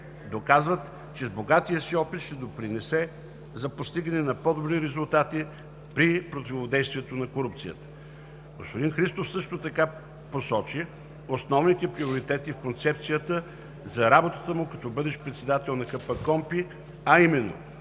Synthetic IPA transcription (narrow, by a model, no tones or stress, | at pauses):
d̪okazvət̪ | t͡ʃɛzboɡat̪ijəsiɔpit̪ʃt̪ɛd̪opɾinɛsɛ | zɐpost̪iɡənɛnɐpɔd̪obɾiɾɛzulˠt̪at̪i | pɾipɾot̪ivod̪ɛjst̪vʲiɛt̪onɐkoɾup̚t̪sijə̰t̪ə̥ | ɡospod̪inxɾist̪ofsɤʃt̪ot̪ɐka | posɔt͡ʃi | osnɔvnit̪ɛpɾioɾit̪ɛt̪ifkont̪sɛpt̪sijət̪ə | zɐɾabot̪ət̪əmʊkɐt̪ɔbɤd̪ɛʃpɾɛt̪sɛd̪at̪ɛlˠnɐkəpɐkɔmpi | ɐimɛnːo̰